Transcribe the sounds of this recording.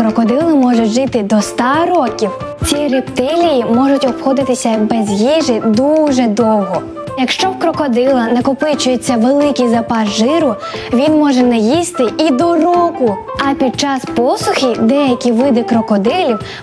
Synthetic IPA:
kɾɔkɔd̪ɪlˠɪmɔʒʊtʲʒɪt̪ɪd̪ɔst̪ɑɾɔkʲiw | t͡sʲiɾept̪ɪlʲijimɔʒʊtʲɔpxɔd̪ɪt̪ɪsʲɐbɛzjiʒɪd̪uʒɛd̪ɔwɦɔ | jɐkʃt͡ʃɔwkɾɔkɔd̪ɪlˠɐnɐkɔpɪt͡ʃʊjʊt͡sʲːɐʋelˠɪkʲizɐpɑzʒɪɾʊ | ʋʲinmɔʒɛnɛjist̪ɪʔid̪ɔrɔkʊ | ɐpʲid̪̚t͡ʃɑspɔsʊxʲid̪ɛjɐkʲiʋɪd̪ɪkɾɔkɔd̪ɪlʲiw

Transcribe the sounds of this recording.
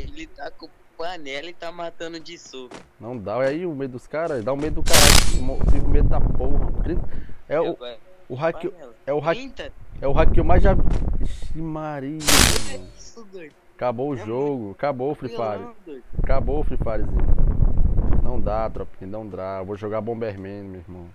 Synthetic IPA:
elɪt̪akõ | panɛlit̪amat̪ɐ̃nd̪ʊd͡ʒiso | nɐ̃w̃d̪aiaiʊmejd̪ʊd̪ʊskaɾɐd̪aʊmejd̪ʊd̪ʊkaɾalmofĩvʊmed̪ʊd̪apohɐk̪ɾĩt̪ɛʊ | ʊɦakeɛʊɦaɛʊɦakewmajzʒaʃt͡ʃimaɾiɐ̃ | d̪o | kaboʊʒoɡʊkaboʊfɾifaɾiskaboʊfɾifaɾɪzĩ | nɐ̃w̃d̪at̪ɾɔpĩɐnɐ̃w̃d̪aevoʒoɡabõbehmẽɲʊmeihmɐ̃w̃

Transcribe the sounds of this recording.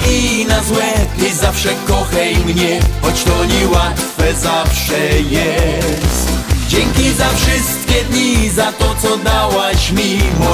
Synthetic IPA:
inazwɛizafʂɛkɔxɛimɲɛxɔt͡ɕt̪ɔɲiwat̪fɛzafʂɛjɛst̪d͡ʑɛŋkʲizafʂɪst̪̚kʲɛd̪ɲizat̪ɔt̪sɔd̪awaɕmʲimɔ

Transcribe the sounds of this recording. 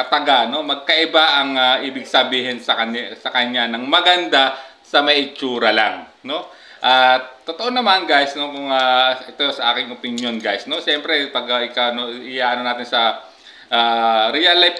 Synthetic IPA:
ɐt̪ɐɡano̞mɐɡ̚kɐʔɪbaʔɐŋaʔiːbɪɡ̚sɐbiːɦɪnsɐkɐnasɐkɐɲanɐŋmɐɡɐnd̪a | sɐmɐjʔɪt͡ʃuːɾɐlaŋ | no̞ | ʔatt̪ːot̪oʔonɐmanɡajsno̞kʊŋaʔɛt̪osɐʔa̰ːkɪŋopɪnjo̞nɡajsno̞ʃɛmpɾɛpɐɡɐʔɪkawnoʔɪjaʔɐnonaːt̪ɪnsɐ | ʔaːɾijalajp

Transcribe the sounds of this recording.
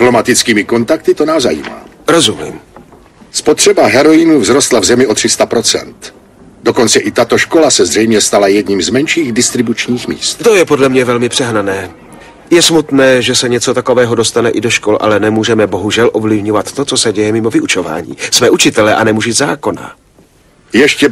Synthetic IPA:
plo̞mat̪ɪt͡skiːmɪko̞nt̪ak̚t̪ɪt̪onaːzajḭːma̰ː | ɾo̞zumḭːm | spot̪r̥ɛbaɦɛɾojɪnuvzɾost̪lavzɛmɪʔot̪r̝ɪst̪apɾo̞t͡sɛ̰nt̪ | doko̞nt͡sɛʔɪt̪at̪oʃko̞lasɛzrɛjmɲɛst̪alajɛdɲiːmzmɛnʃiːɣdɪst̪ɾɪbut͡ʃɲiːxmḭːst̪t̪ojɛpo̞dlɛmɲɛvɛlmɪpr̥ɛɦnanɛː | jɛsmut̪nɛːʒɛsɛɲɛt͡so̞t̪ako̞vɛːɦodo̞st̪anɛʔɪdoʃkolʔa̰lɛnɛmuːʒɛmɛbo̞ɦuʒɛlʔo̞vlɪvɲovat̪ːo̞t͡so̞sɛɟɛjɛmɪmovɪʔut͡ʃova̰ːɲḭːsmɛːʔut͡ʃɪt̪ɛlɛʔanɛmuʒɪzaːko̞na̰ | jɛʃcɛ

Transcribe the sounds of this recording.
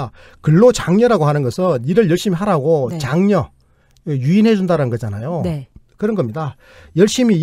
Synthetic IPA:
kɯɭːot͡ɕaŋɲʌɾaɡoɦanɯnɡʌsʰɯniɾɯɭjʌɭɕ͈imiɦaɾaɡot͡ɕaŋɲʌ | juinɦe̞d͡ʑundaɾanɯnɡʌd͡ʑanajokɯɾʌnɡʌmɲida | jʌɭɕ͈imi

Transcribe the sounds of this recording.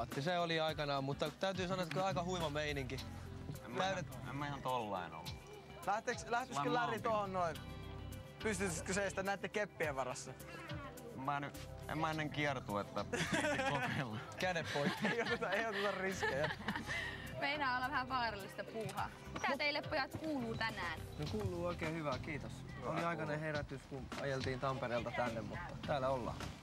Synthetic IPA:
t̪ːiseoliɑikɑnɑːmmut̪ːɑt̪æyt̪yːsɑnoɑet̪ːkøɑikɑhuiʋɑmeiniŋkiḛmːyetḛmːæihɑnt̪olːɑ̰ino̰lːu | læht̪ekslæht̪eklærit̪ohonnoi | pyst̪yt̪skyseist̪ænæit̪ːekepːieʋʋɑrɑsːɑ | emːɑny | ḛmːæenːeŋkiert̪uet̪ːæ | elːɑkædeppoikːieijot̪ːot̪ɑeijot̪ːut̪ɑrriskejɑ | meinæːolːɑʋæhæʋʋɑːrɑlːist̪ɑpuːhɑ̰ | mit̪æt̪eilːeppojɑt̪kuːluːt̪ænæːnnokuːlˑuːoˑikeːhyʋækiːt̪os | oliɑikɑneheræt̪yskunɑ̰jelt̪iːnt̪ɑmpeɾeːlt̪ɑt̪ænːemmut̪ːɑt̪æːlæolːɑ̰ː

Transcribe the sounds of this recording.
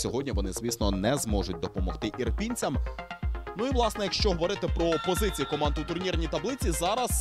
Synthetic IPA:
sʲɔɦɔdʲnʲiʋɔnɪz̥ʋʲisnɔnɛzmɔʒʊtʲd̪ɔpɔmɔxt̪ɪʔirpʲinʲt͡sʲɐm | nuiʋlˠɑsnɛjɐkʃt͡ʃɔɦɔʋɔɾɪt̪ɪpɾɔːpɔzɪt͡sʲijikɔmɑnd̪ɪut̪ʊrnʲirnʲit̪ɐblˠɪt͡sʲizɑɾɐz

